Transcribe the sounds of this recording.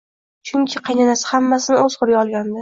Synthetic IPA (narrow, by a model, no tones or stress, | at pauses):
t͡ʃʰʊŋkʲʰɪqʰɑjnanasɪ̥hamːasɪnɪɵzqʰʊɾɡʲaɒlˠɡʲand̪ɪ